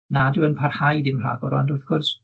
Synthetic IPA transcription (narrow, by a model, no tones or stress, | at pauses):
nadɨənpʰarhajdɪmr̥a̰ːɡɔɾɔ̰ndʊθɡ̥ʊrs